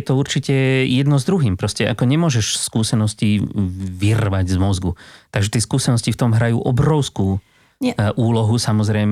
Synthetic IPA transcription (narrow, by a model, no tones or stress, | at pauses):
ɛt̪ɔuɾt͡ʃicɛjɛd̪nɔzd̪ɾuɦiːmpɾɔscɛʔa̰kɔɲɛmʊɔʒɛʃskuːsɛnɔsciʋirʋaɟzmɔzɡut̪aɡʒɛt̪ɪɛːskuːsɛnɔscift̪ɔmɦɾajṵːʔɔbɾɔʊskuː | ʔuːlɔɦusamɔzɾɛjm